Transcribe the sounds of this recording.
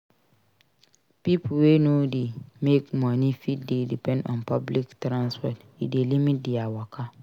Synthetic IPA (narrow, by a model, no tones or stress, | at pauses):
pipʰwenodimekmɔ̃nĩfitdedipʰɛ̃ndɔ̰̃npʰabliktɾãnsfɔt | idelimĩt̚diawɔkʰa